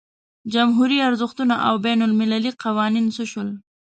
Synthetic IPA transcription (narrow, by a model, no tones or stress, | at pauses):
d͡ʒamɦuɾiaɾzʊxt̪unaʔa̰wbanʊlmɪlaliqawɑninsəʃəl